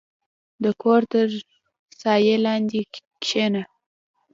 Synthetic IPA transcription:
d̪əkʰoɾt̪əɾ | sɑjelɑnd̪ikʃena

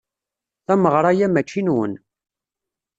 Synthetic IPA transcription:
θæməʁɾˤajæmæt͡ʃːinwə̰n

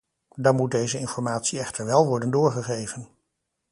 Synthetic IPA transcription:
dɑnmut̚dejzəɪnfɔɹmaːtsiɛχtəɹʋɛlˠʋɔɹdəndʊːɹχəχejvən

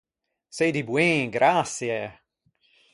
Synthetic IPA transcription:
sedibwẽːɡɾʔasjɛ

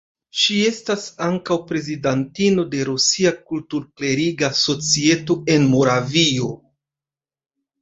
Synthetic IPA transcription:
ʃie̞stasaŋkawpɾe̞zidantino̞de̞ɾusiakultuɾkle̞ɾiɡaso̞t͡sie̞to̞e̞nmo̞ɾavio̞

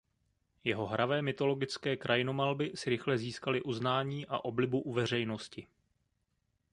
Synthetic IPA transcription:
jɛɦo̞ɦɾʔavɛːmɪt̪o̞lo̞ɡɪt͡skɛːkɾʔajɪno̞malbɪsɪɾɪxlɛziːskalɪʔuznaːɲiːʔa̰ʔo̞blɪbuʔuvɛr̝ɛjno̞scɪ

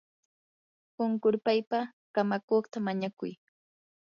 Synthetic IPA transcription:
ʊŋkʊɾpajpa | kamakoχt̪amaɲakʊj

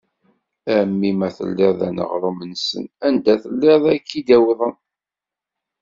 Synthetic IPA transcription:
æmːimæθə̰lːɪðˤæ̰nə̰ʁɾˤomənsə̰nænd̪æθəlːeðˤækːid̪æwðˤən

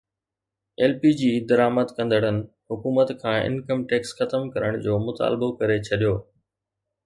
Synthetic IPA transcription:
eːlpiːd͡ʑiːd̪ɐɾaːməd̪kɐ̃nd̪ʱəɽənɪ̆ | ɦʊkuːmət̪kʰãːɪ̰nkəmʈeːksxɐt̪əmkɐɾəɽ̃d͡ʑoːmʊt̪a̰ːlbokɐɾet͡ɕʰɐɗijoː

